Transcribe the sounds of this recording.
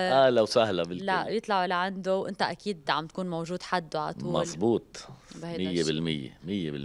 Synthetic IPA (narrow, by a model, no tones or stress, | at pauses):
ʔalawsaɦlabɪllaʔjɨt̪ˤlɑʕulaʕand̪ʊwʔɪ̰nt̪aʔakiːd̪ʕa̰mt̪kuːnmowʒuːd̪ħad̪ːʊʕa̰t̪uːmɑlzˤbuːt̪̚ˤbhajmɪjːebɪlmɪjːḛmɪjːḛbɪ̰l